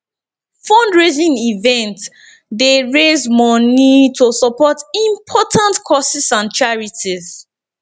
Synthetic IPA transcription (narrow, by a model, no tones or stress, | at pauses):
fɔ̃ndɹezĩnivɛ̃nt | deɹezmɔnitʰosɔpɔtĩmpʰɔtʰãntkʰɔsisãnt͡ʃaɹitiz